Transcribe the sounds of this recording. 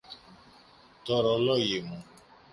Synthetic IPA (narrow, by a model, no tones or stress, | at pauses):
tɔɾɔlɔjemũ